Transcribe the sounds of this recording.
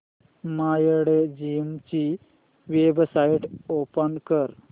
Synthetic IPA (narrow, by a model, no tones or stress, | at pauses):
majɽed͡ʑimt͡ɕi | ʋebsaiʈopənkəɾ